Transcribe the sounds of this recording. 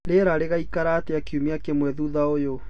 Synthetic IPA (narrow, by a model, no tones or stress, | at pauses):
ɾeɾaɾeɣaikaɾaːteakiumeakemwɛðuðaojo